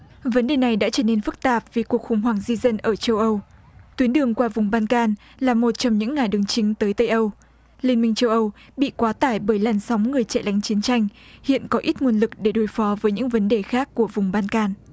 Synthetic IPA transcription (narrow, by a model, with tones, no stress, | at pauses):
və˨˦nɗe˨˩na˨˩jɗa̰ː˧˥t͡ɕəː˧˩ne˧nfɨ˦˥k̚t̪aː˨˩p̚vi˨˩ku˨˩ək̚xʊ˧˩ŋ͡mɦwaː˨˩ŋzi˧zə˧nʔəː˧˩t͡ɕə˧wʔə˧w | t̪wi˨˦ənɗɨ˨˩əŋkwaː˧vʊ˨˩ŋ͡mɓaː˧nkaː˧n | laː˨˩mo˨˩t̚t͡ɕɔ˧ŋ͡mɲɨ̰˧˥ŋːaː˨˩jɗɨ˨˩əŋt͡ɕï˨˦ŋ̟t̪əː˨˦jt̪ə˧jʔə˧w | li˧nmï˧ŋ̟t͡ɕə˧wʔə˧wɓḭ˧˨kwaː˨˦t̪aː˧˩jɓəː˧˩jlaː˨˩nswŋ͡mŋɨ˨˩əjt͡ɕɛ̰˧˨lʔa˨˦jŋ̟t͡ɕi˨˦ənt͡ɕa˧jŋ̟hḭ˧˨ənkɔ˨˦ʔi˦˥t̚mu˨˩ənlɨ˨˩k̚ɗe˧˩ɗo˨˦jfɔ˨˦vəː˨˦jɲɨ̰˧˥ŋvə˨˦nɗe˨˩xaː˦˥kːu˧˩əvʊ˨˩ŋ͡mɓaː˧nkaː˧n